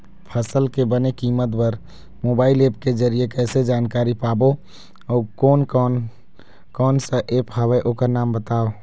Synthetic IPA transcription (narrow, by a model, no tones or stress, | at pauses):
pʰəsəlkebənekiːmət̪bəɾ | moːbaːɪleːp̚ked͡ʒəɾijekɛːsed͡ʒaːnkaːɾipaːbo | ɔːkɔːnkːn | kɔːnsəʔeːpɦaweʔoːkəɾnaːmbət̪aːo